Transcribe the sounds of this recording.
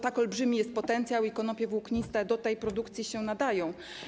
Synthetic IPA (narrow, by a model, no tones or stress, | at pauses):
t̪akɔlbʐɘmʲijɛst̪̚pɔt̪ɛnt̪sʲjawikɔnɔpʲjɛvukɲist̪ɛd̪ɔt̪ɛjpɾɔd̪ukt̪sʲjiɕɛnad̪ajɔ̃w̃